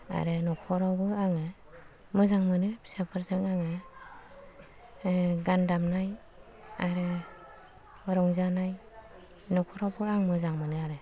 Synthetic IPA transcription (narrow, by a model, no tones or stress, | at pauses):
a̰ɾɯnɔkʰɔɾawbɯaŋɯ | mɯzaŋmɯnɯbi̥sapʰaɾzɯŋaŋɯ | ɡandamnaj | aɾɯ | ɾɔŋzanaj | nɔkʰɔɾawbɯaŋmɯzaŋmɯnɯaɾɯ